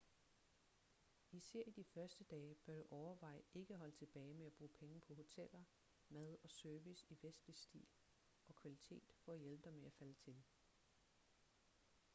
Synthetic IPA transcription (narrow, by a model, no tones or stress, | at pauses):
isæɐ̰id̥ifɶɐsd̥əd̥ɛːb̥æɐd̥uʔɒʊɐʋɑ̈ɪ̰e̝ɡ̥əɦɒ̽lət͡sʰe̝b̥ɛːɪmeæb̥ʁṵːpʰeŋəpʰɒ̽ɦo̝t͡sʰel̰ɐ | mæðˠɒ̽søɐʋisiʋesd̥lisd̥ḭːl | ɒ̽kʰʋælit͡sʰe̝̰ːd̥fɒ̽æjelb̥əd̥ɑmeæfælət͡sʰe̝l